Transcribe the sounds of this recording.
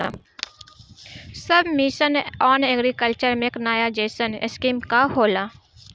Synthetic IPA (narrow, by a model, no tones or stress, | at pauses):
a | sɐbʱmiʃənɔːneɡɾikəlt͡ʃəɾmẽknaːjad͡ʒeːsənɪ̰skiːmkahoːlaː